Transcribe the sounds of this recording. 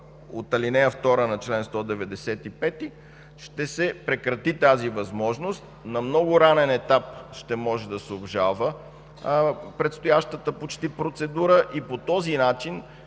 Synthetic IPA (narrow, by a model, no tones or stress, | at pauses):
ot̪ɐlinɛjəft̪ɔɾənɐt͡ʃlɛnst̪ɔd̪ɛvɛd̪ɛsɛt̪ipɛt̪i | ʃt̪ɛsɛpɾɛkɾɐt̪it̪azivɐzmɔʒnost̪̚nɐmnɔɡʊɾanɛnɛt̪apʃt̪ɛmɔʒɛd̪ɐsɛobʒalˠvə | pɾɛt̪st̪ojaʃt̪ət̪əpot͡ʃt̪ipɾot̪sɛd̪uɾəʔipot̪ɔzinat͡ʃin